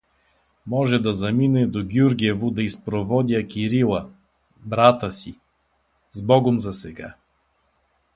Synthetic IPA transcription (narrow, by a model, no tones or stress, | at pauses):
mɔʒɛd̪ɐzɐminɛd̪oɡʲjuɾɡʲiɛvud̪ɐispɾovɔd̪ʲjəkiɾilˠɐ | bɾat̪əsi | zbɔɡomzɐsɛɡa